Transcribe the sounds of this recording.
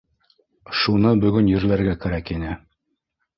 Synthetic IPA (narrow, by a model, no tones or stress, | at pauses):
ʃunɤbɵ̆ɡɵnjɘ̆ɾlæɾɡækæɾækinɘ